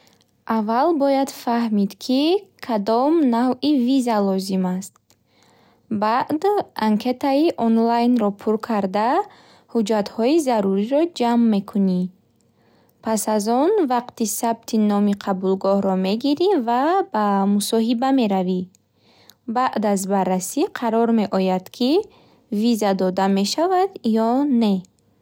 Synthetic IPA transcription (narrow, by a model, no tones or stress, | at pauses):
ʔavːalbɔjad̪fahmid̪kʰikʰad̪ɔmnavivizalɔzimast̪̚ | baʔd̪ʔaŋkʰe̞t̪aiʔɔnlajnɾɔpʰuɾkʰaɾd̪a | hud͡ʒat̪hɔizaɾuɾiɾɔd͡ʒamːe̞kʰuni | pʰasazɔnvaqt̪isabt̪ʰinɔmiqʰabulɡɔhɾɔme̞ɡiɾivabamusɔɦibame̞ɾavi | baʔd̪azbarːasiqʰaɾɔɾme̞ʔɔjad̪̥kʰi | vizad̪ɔd̪ame̞ʃavad̪jɔne̞